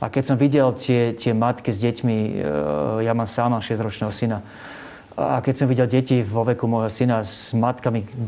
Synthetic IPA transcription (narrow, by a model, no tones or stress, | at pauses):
akɛcsɔmʋiɟɛlt̪ɪɛt̪ɪɛmat̪kizɟɛcmi | jamaːmsaːmaʃɪɛzd̪ɾɔt͡ʃnɛːɦɔsina | a̰kɛcsɔmʋiɟɛlɟɛciʋɔʋɛkumɔjɦɔsinazmat̪kami